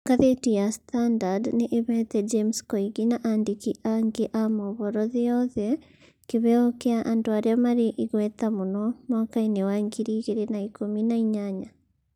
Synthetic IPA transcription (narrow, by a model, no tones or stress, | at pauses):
ɡaðetujastandadneʔːβɛtɛd͡ʒemskoiɡinaʔandikiʔaŋɡeʔamoβɔɾɔðijɔðɛ | kiβɛɔkeaʔandoaɾeamaɾeʔiɣwɛtamunɔmwaːkainewaŋɡiɾiːɣeɾenaikominaiɲaɲa